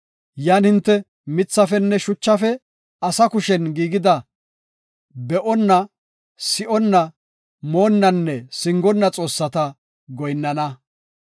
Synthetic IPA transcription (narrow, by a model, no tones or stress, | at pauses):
jaːnhɪnt̪ːɛ | mɪt͡sːɐfɛnːɛʃʊt͡ʃːɐfɛ | ɐsɐkʊʃɛnɡiːɡɪd̪ɐ | bɛʔɔnːɐ | sɪʔɔnːɐ | mo̞ːnːɐnːɛsɪŋɡɔnːɐt͡sʼo̞ːsːɐt̪ɐ | ɡɔjnːɐnɐ